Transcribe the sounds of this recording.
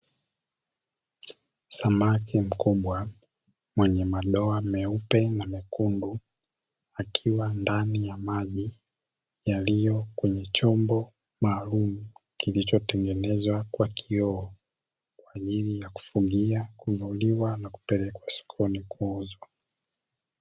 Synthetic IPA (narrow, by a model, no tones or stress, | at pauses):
samakʰim̩kuɓwa | mwɛɲɛmaɗɔamɛupɛnamɛkundu | akʰiwandanijamaʄi | jalijɔkwɛɲɛt͡ʃɔmbɔ | maːlumukilit͡ʃɔtɛŋɡɛnɛzwakwakʰiɔː | kwaːʄilijaku̥fuɡiakuvuliwanaku̥pɛlɛkwasi̥kʰɔnikʰuuzwa